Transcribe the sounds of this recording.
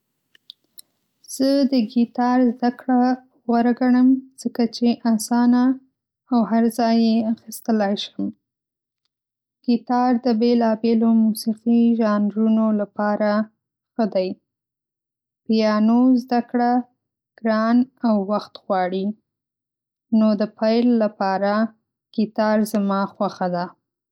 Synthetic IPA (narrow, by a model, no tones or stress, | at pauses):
z̥əd̪əɡit̪ɑɾzd̪akɽa | wəɾɡaɳəmz̥əkat͡ʃeʔasɑna | awɦaɾzɑjeaxist̪əlajʃəm | ɡ̥it̪ɑɾd̪əbelɑbelomusiqiʒɑnɾunolapɑɾa | xəd̪aj | pjɑnozd̪akɽa | ɡ̥ɾɑnawːaxt̪ɣwɑɽi | nod̪əpajlːapɑɾa | kit̪ɑɾzamɑxwaxad̪a